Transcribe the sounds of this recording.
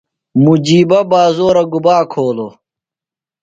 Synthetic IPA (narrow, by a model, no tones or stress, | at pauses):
mud͡ʑiːbɐbaːzoːɾɐɡubaːkʰoːlo